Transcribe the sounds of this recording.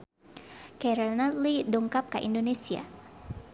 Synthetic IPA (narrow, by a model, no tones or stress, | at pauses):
kɛɾanatliduŋkap̚ka̰ʔḭndonesia̰